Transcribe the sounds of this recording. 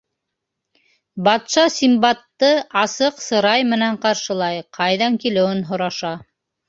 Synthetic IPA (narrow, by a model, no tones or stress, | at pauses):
bɑt̪ʃɑsʲimbɑt̪ːɤɑsɤqsɤ̆ɾɑjmɘ̆næɴqɑɾʃɤ̆lˠɑjqʰɑjðɑŋkilɘ̆wɘnɦŏɾɑʃɑ